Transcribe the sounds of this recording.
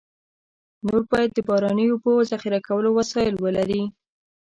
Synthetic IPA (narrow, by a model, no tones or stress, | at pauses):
noɾbɑjad̪̚ːəbɑɾɑnəjopəzaxiɾakawəlowasɑjɪlwəlaɾi